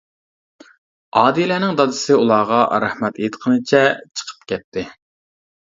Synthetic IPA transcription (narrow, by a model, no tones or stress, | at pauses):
ɑːd̪ilæːnɪŋd̪ɑd̪ɨsɪulˠɑːʁɑɾæhmɛt̪et̪qʰənɨt͡ʃʰɛt͡ʃʰə̥qʰə̥p̚kʲɛt̪ʰːɪ